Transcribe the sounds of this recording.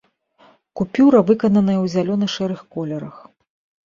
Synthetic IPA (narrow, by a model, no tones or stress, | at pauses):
kupʲuɾɐvɨkɐnɐnɐjɐwzʲalʲɔnɐʂɛɾɨxkɔlʲɛɾɐx